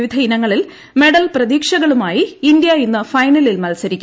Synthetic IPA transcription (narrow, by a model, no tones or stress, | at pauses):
ʋid̪ʱɐinɐŋːɐɭil | me̞ɽɐlprɐðiːkʂɐɣɐɭumaːjiːnd̪jɐinːɐfɐjnɐlilmɐlsɐɾikʲː